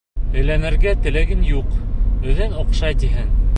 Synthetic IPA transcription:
ɘ̆lænɘ̆ɾɡæt̪ɘ̆læɡɘnjuqɘ̆ðɘnoqʃɑjt̪iɦɘŋ

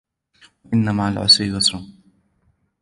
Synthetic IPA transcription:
waʔɪnːamaːlʕʊ̰sɾijʊsɾʊ

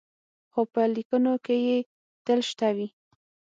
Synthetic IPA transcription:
xopəlikənokeje | t̪əlʃt̪awi

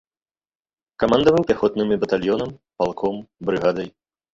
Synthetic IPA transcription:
kamand̪ɐvɨwpʲaxɔt̪nɨmʲibɐt̪alʲjɔnɐmpalˠkʰɔmbɾɨɣad̪ɐj

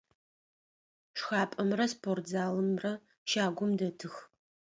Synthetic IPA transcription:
ʂxaːpʼɐmrɐspʰortzaːlɨmrɐ | ʃaːɡʷʊmdɐtʰɨx

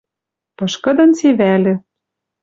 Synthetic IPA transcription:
pɤ̆ʃkɤ̆d̪ɤ̆nt͡seβælʲɘ̆

